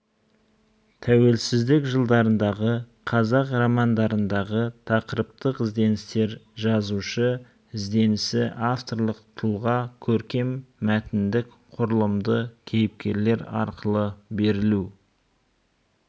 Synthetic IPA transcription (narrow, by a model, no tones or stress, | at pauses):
t̪ʰæwe̞lsɪzd̪ɪkʒəlˠd̪ɑɾənd̪ɑʁə | qʰɑzɑqromɑnd̪ɑɾənd̪ɑʁət̪ʰɑqəɾəp̚t̪əqɪzd̪e̞nɪst̪e̞ɾʒɑzuʃə | ɪzd̪e̞nɪsɪʔaft̪o̞rlˠəqt̪ʰəlˠʁɑkʲʰɵɾkʲe̞mːæt̪ɪnd̪ɪk | qʰʊɾəlˠəmd̪əkʲʰejɪp̚kʲe̞ɾle̞ɾɑ̰ɾqəlˠəbe̞ɾɪlu